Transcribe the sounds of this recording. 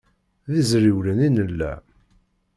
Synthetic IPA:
ðizɾiwlæninəlːæ̰

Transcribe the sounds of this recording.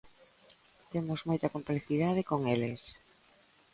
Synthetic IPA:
t̪emozmojt̪ɐkompleθiðaðekoŋeles

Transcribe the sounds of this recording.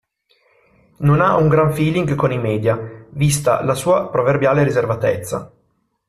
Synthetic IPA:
nonauŋɡɾaɱfiːliŋɡkonimɛːd̪javist̪a̰lasuːapɾoverbjaːleɾizervat̪ɛ̰t̪sːa̰

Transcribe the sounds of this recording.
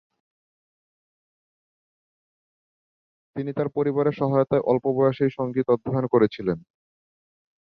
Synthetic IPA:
t̪init̪aɾpoɾiβaɾeʃɔɦajot̪aeʔɔlpobɔeaʃejʃɔŋɡit̪ɔd̪ʱankoɾet͡ɕʰilen

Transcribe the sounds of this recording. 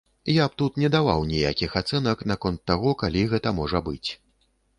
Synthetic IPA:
jap̚t̪ut̪nʲɛd̪ava̰wnʲijakʲixat̪sɛnɐknakɔnt̪ːaɣɔkalʲiɣɛt̪ɐmɔʐɐbɨt͡sʲ

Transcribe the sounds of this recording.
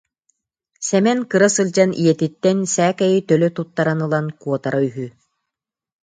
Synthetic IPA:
sɛmɛnkɯɾasɯlʲd͡ʑanʔijɛt̪it̪ːɛnsæːkɛjit̪œlœt̪ut̪ːaɾanɯlˠankuɔt̪aɾʔayɦy

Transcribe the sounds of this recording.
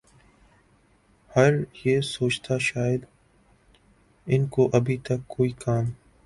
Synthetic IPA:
hɐɾjeːsoːt͡ʃt̪ʰaʃaːjɪd̪ | ɪnkoʔɐbʱit̪ɐkːoːiːkaːm

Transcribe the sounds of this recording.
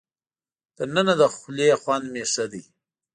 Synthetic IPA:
d̪̥ənənad̪əxʊleaxwanmesad̪ij

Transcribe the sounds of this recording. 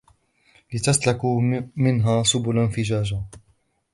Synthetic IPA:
lɪt̪aslakumɪnɦaːsʊbʊlanfɪd͡ʒaːd͡ʒa

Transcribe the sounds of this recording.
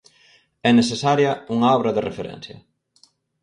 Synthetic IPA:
ɛnesesaɾjɐuŋaɔβɾɐðerefeɾɛ̰̃n̟θjɐ̰

